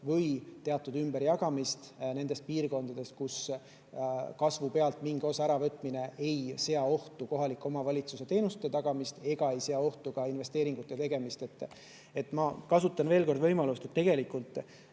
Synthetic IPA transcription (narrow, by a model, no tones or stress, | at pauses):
vɤjt̪e̞ɑt̪ːˑud̪ymbeɾjɑɡɑmist̪ne̞nd̪e̞st̪̚piːrko̞nd̪ɑd̪̥e̞st̪̚kus | kɑsvupe̞ɑlt̪miŋɡ̥o̞sɑæɾɑvɤt̪ːˑmine̞e̞jse̞ɑo̞ht̪uko̞ɦɑlikːˑo̞mɑvɑlʲit̪suse̞t̪e̞ːnust̪ːet̪ɑɡ̥ɑmist̪e̞ɡ̥ɑe̞jse̞ɑo̞ht̪ukɑinve̞st̪eːɾiŋɡut̪ˑːe̞t̪e̞ɡe̞mist̪e̞t̪ːˑ | e̞t̪ːˑmɑkɑsut̪ːˑɑnve̞ːlko̞rd̪vɤ̞jmɑlust̪et̪ːe̞ɡ̥e̞likult̪ˑ